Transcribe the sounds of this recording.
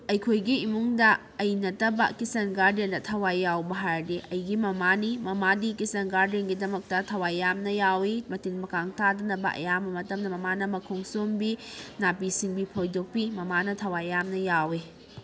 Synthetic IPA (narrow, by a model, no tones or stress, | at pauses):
ɐjkʰojɡiːmuŋdɐː | jnɐtɐbɐ̰kisɐnɡaɾdendɐtʰɐwajːawbɐɦaɾdiʔɐjɡimɐmanimɐmadikisɐnɡaɾdenɡidɐmɐk̚tɐtʰɐwajːamnɐjawimɐtinmɐkaŋtadɐnɐbɐ̰ʔɐ̰jamɐmɐtɐmdɐmɐmanɐmɐkʰoŋsombinapisiŋbipʰojdok̚pimɐmanɐtʰɐwajːamnɐjawi